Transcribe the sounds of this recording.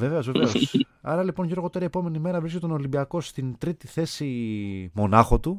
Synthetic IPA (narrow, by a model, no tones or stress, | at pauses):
ve̞ve̞o̞zveveosɐɾɐlipo̞nʝeɾɣo̞t̪eɾiepo̞me̞nime̞ɾɐvɾisket̪ono̞limbiɐko̞st̪int̪ɾit̪iθe̞simo̞nɐxo̞t̪u